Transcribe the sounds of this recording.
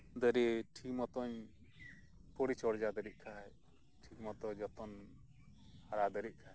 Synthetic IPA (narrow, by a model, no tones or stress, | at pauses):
d̪əɾiʈʰikmɔt̪ɔɲ | pɔɽit͡ʃɔɽd͡ʒad̪əɾiʔ̚ˀkʰaj | ʈʰikmɔt̪ɔd͡ʒɔt̪ɔn | haɾad̪əɾic̚ˀkʰaj